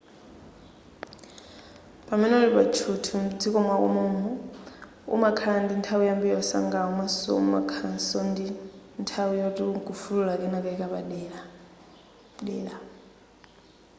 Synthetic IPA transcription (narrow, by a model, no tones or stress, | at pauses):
pʼamɛnɛulipat͡ʃʰutʰum̩d͡zikʼɔmwakʼṵmɔmɔ | ṵmakʰandintʰawujambijɔsa̰ŋɡaumasɔ̰ṵma̰kʰansɔndintʰawujɔtʼiɡufululakʼɛnakʼaikʼaβaa | dɛːla